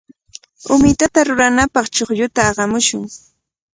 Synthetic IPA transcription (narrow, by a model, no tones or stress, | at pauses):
ʊmɪt̪at̪aɾʊɾanapɑχt͡ʃoχjʊt̪aːɢɑmʊʃʊŋ